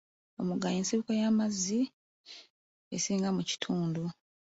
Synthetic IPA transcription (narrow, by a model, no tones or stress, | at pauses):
omuɡajeːnsiβukajamazːi | esiːŋɡamuci̥tʰuːndu